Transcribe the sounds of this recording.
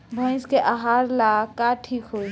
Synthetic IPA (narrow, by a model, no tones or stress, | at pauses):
bʱə̃ɪ̃skeʔaɦaɾlakaʈʰiːkɦoi